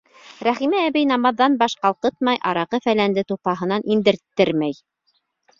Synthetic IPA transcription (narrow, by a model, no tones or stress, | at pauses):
ɾæχimæːβɘjnɑmɑðːɑnbɑʃqɑlˠqɤt̪̚mɑjʔɑɾɑqɤfælænd̪ɘt̪upɑɦɤ̆nɑnʔind̪ɘ̆ɾt̪ːɘɾmæj